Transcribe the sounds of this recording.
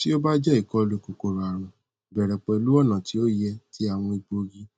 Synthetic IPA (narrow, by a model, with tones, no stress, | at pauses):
ti˦o˦ba˦d͡ʒɛ˦i˨kɔ˧lu˧˨ko˨ko˨ɾa˨ɾ̃ũ˨ | bɛ˨ɾɛ˨k͡pɛ˧i˧lu˦ɔ˦˨nã˨tʰi˨˦o˦jɛ˧ti˦a˦˨w̃ɔ̃˧i˨ɡ͡bo˧ɡi˧